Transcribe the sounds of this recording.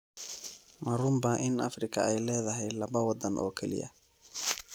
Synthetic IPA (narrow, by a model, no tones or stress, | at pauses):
mɐɾʊmbɐʔɪnɐ̰frɪkʰɐɛjlɛːðɐɦɛjlɐβɐwɑd̪ɐnʔɔ̰ːkʰɛlɪ̰jɐ̰